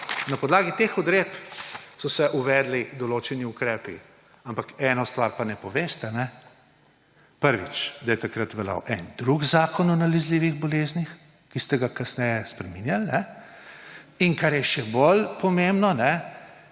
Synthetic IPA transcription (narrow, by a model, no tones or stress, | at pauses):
napɔd̪laːɡit̪exɔd̪ɾet̪psɔsɛʔuʋɛd̪lid̪ɔloːt͡ʃɛniukɾɛːpḭ | ampakɛːnɔst̪ʋaɾpanɛpɔʋeːst̪ɛnɛ | pəɾʋḭt͡ʃd̪ajɛt̪akɾat̪ʋɛla̰wʔɛnd̪ɾuɡzaːkɔnɔnalɛzliːʋiɣbɔleːznix | kist̪ɛɡakasnɛjɛspɾɛminjalnɛ | iŋkaɾjɛʃɛbolpɔmembnɔnɛ